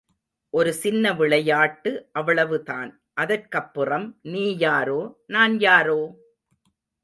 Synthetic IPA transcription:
ʔɔɾɯsɪnːɐʋɪɭɐjaːʈːɯʔɐʋɐɭɐʋɯta̰ːn | ʔɐðɐrkɐpːɯrɐmniːjaːɾoːnaːnjaːɾoː

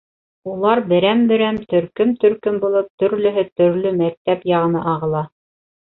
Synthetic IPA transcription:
ulˠɑɾbɘ̆ɾæmbɘ̆ɾæmt̪ɵ̆ɾkɵmt̪ɵ̆ɾkɵmbulˠɤp̚t̪ɵ̆ɾlɵ̆ɦɘt̪ɵ̆ɾlɵmæk̚t̪æpjɑʁɤ̆nɤʔɑʁɤ̆lˠɑ

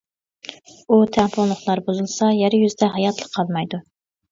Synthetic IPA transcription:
ut̪ʰɛmpʰollːˠəχlˠɑɾbuzɨlˠsɑjɛɾjyzd̪ɛɦɑjɑt̪ʰlˠəqʰːɑlˠmɑjd̪u

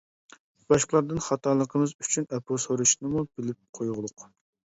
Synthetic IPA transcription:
b̥ɑʃqəlˠɑɾd̪ɨnχɑt̪ʰɑlˠəqʰəmɨzy̥t͡ʃʰynɛpʰosoɾuʃnɨmub̥ɪlɪp̚qʰojʁʊlˠʊq

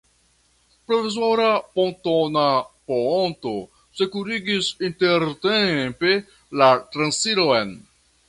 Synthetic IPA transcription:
pɾo̞vizo̞ɾapo̞ntonaponto̞ | sekuɾiɡisinte̞ɾtempe | latɾansiɾoen

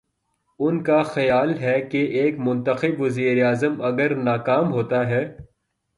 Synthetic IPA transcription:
ʊnkaxɐjaːlɦɛkeʔeːkmʊ̃nt̪əxɪbʋɐziːɾeaːzəmɐɡəɾnaːkaːmɦoːt̪aɦɛː

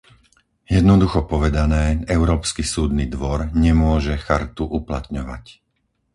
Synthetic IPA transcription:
jɛd̪nɔd̪uxɔpɔʋɛd̪anɛːɛʊɾɔːpskisuːd̪nid̪ʋɔɾɲɛmʊɔʒɛxaɾt̪uʔupla̰t̪ɲɔʋa̰c

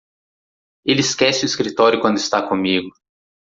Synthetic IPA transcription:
iliskɛsuiskɾit̪oɾikond̪ist̪akomʲiːɡu

